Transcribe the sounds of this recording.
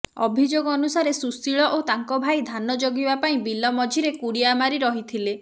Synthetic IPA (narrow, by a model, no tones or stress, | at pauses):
ɔ̰bʱid͡ʒoɡɔɔnusaɾesusiɭɔʔot̪aŋkɔbʱajd̪ʱanɔd͡ʒoɡibapaĩbilɔmɔd͡ʒʱiɾekuɽiamaɾiɾɔɦit̪ʰile